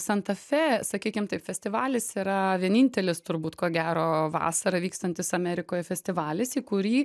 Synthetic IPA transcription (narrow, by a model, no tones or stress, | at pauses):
sɐnt̪ɐfʲɛsɐkʲiːkʲɪmt̪ɐɪpfʲɛsʲt̪ʲɪʋɑːlʲɪsiːɾɐʋʲiɛnʲɪnʲt̪ʲɛlʲɪst̪ʊɾbuːt̪koːɡʲæːɾoːʋɑ̰ːsɐɾɐʋʲiːkst̪ɐnʲt̪ʲɪsɐmʲɛɾʲɪkoːjɛfʲɛsʲt̪ʲɪʋɑːlʲɪsiːkʊɾʲiː